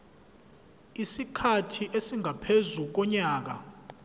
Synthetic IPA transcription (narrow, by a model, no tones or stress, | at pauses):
isikʰatʰiʔesiŋʱapʰezuk̬ɔɲaːk̬a̰